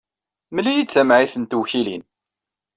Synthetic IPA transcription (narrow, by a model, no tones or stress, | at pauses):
məlːijit͡sːæmʕiθənt̪wçilin